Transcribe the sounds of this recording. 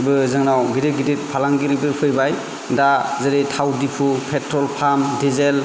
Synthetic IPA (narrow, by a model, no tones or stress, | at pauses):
bɯzɯŋnawɡidit̚ɡidit̚pʰalaŋɡiɾibɯpʰɯjbaj | dazɯɾitʰawdipʰupʰetɾɔlpʰamdizel